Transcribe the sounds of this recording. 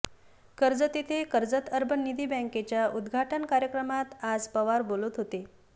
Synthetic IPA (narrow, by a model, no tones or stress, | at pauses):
kəɾd͡zət̪it̪ʰekəɾd͡zət̪əɾbʱənid̪ʱiːbə̃ŋket͡ɕjaʔud̪ɡʱaʈənkaɾjəkɾəmat̪ad͡zpəʋaɾbolut̪ɦot̪e